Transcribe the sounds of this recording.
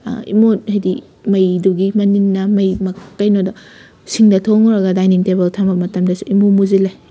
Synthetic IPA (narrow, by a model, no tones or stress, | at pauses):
ḭmot̚hajdi | mɐjduɡimɐninːɐmɐjmɐkɐjnoda | siŋdɐtʰoŋuɾɐɡɐdajniŋtebeltʰambɐmɐtɐmdɐsuimomuzilaj